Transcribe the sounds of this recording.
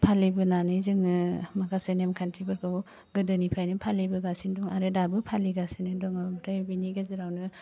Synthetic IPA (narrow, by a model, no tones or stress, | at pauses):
pʰalibɯnanɯjzɯŋɯmakʰasɯjnemkʰantʰibɯɾkʰɯw | ɡɯdɯnipʰajnɯpʰalibɯɡasinduŋaɾedabɯpʰaliɡasinɯdɔŋabtʰajbiniɡaziɾawnɯ